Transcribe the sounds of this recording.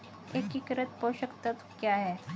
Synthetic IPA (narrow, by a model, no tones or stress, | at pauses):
ekːikɾət̪̚poɕəkt̪ət̪kjaɦɛ